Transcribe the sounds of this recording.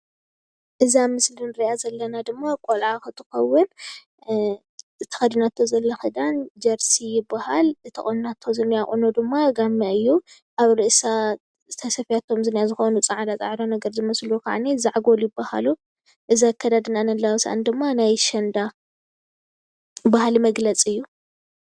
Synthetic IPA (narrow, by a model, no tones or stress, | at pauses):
ʔɨzamɨslinɨɾiʔazɐlːɐnad̪ɨmːakʼolʕaxɨt̪ʰɨxɐwʊn | ɨt̪ʰɐ̥xɐd̪inat̪ʰːozɐlːɐxɨd̪and͡ʒɐɾsijɪbːahalɨt̪ʰːɐχʼonnat̪ʰːo̞zɐnːijaχʼunod̪ɨmːaɡamːɐʔɨjːu | ʔaβɾɨʔsa | t̪ʰɐsɐfjat̪ʰːo̞mzɨnijazɨxonut͡sʼɐʕad̪at͡sʼa̰ʕɾonɐɡɐɾzɨmɐslukʰa̰ʕnizaʕɡoljɪbːaha̰lu | ʔɨziakʰːɐd̪ad̪ɨnanɐlːawsa̰ʔa̰nd̪ɨmːanajʃɐnd̪a | bahalimɐɡlɐt͡sʼɨjːu